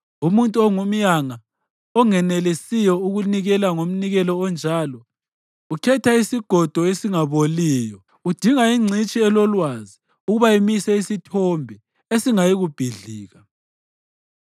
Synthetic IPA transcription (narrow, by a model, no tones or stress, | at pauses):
umuntʼuɔŋum̩jaŋa | ɔŋɛnɛlesijɔuɣuniɣɛlaŋom̩niɣɛlɔːnd͡ʒʱalɔ | ukʰɛtʰaisiɡ̥ʱɔd̥ʱɔesiŋaβoliːjɔ | ud̥ʱiŋaiŋ͡ǀʱit͡ʃʼiɛlɔlwazi | uɣuβaemisɛisitʰɔmbʱɛ | esiŋajiɣub̥ʱiɮiːɣa